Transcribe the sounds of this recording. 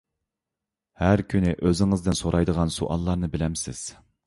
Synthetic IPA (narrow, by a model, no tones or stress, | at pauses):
hæɾkʲʰynɪʔøzɪŋɨzd̪ɪnsoɾʔɑjd̪əʁɑnsṵʔɑ̰lˠːɑɾnɨbɪlɛmsɪ̰z̥